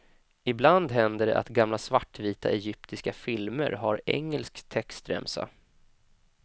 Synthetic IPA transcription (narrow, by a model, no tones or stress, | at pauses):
ɪbland̪ɦɛnd̪əɖɛ̰ʔa̰t̪ɡamlasvaʈːviːt̪a̰ʔɛjʏpt̪ɪskafɪlmə̰ɾɦaɾɛ̰ŋːɛlskt̪ʰɛkst̪ɾɛ̰msa̰